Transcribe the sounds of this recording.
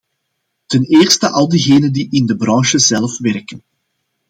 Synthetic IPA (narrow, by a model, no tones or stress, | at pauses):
təneːrstəʔɑlˠdiɣeːnəndiʔɪndəbrɑŋʃəzɛlfʋɛrkən